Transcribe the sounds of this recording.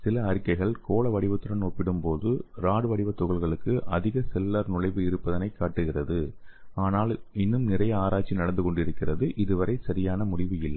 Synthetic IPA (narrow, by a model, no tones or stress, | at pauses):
sɪlɐːɾɪkːɐɪɣɐɭkoːɭɐʋɐɽɪʋɐt̪ːɯɽɐnoːpːɪɽɯmpoːðɯɾaːɽɯʋɐɽɪʋɐt̪ːʊɣɐɭɣɐɭɯkːɯʔɐðɪɣɐsɛlːaɾnʊɻɐɪʋɯɪɾɯpːɐðɐnɐɪkːaːʈːɯɣɪrɐðɯ | aːnaːlɪnːɯmnɪrɐjɐaːɾaːt͡ʃːinɐɽɐnd̪ɯkɔɳɖɪɾɯkːɪrɐðɯʔɪðɯʋɐɾɐɪsɐɾɪjaːnɐmʊɽɪʋɯjɪlːɐ